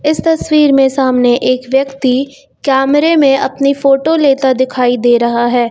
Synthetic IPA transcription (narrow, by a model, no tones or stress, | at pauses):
ɪst̪ɐswiːɾmẽsaːmneʔeːkʋjɐkt̪i | kɛːmɾemẽʔɐpnifoːʈoleːt̪ad̪ɪkʰaːid̪eːɾɐɦaɦɛː